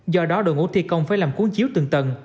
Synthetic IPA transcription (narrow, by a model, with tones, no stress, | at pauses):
zɔ˧ɗɔ˨˦ɗo̰˧˨jŋṵ˧˥t̪ʰi˧kə˧wŋ͡mfaː˧˩jlaː˨˩mku˨˦əŋt͡ɕi˨˦əwt̪ɨ˨˩əŋt̪ə˧˩n